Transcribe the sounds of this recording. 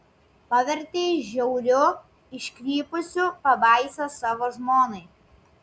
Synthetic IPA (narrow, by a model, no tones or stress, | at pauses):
pɑːʋʲɛɾʲt̪ʲeːɪʃʒʲɛʊɾʲʊ | ɪʃʲkʲɾʲiːpʊsʲʊpɐbɑˑɪsʲoːsɑːʋoːʒmoːnɐɪ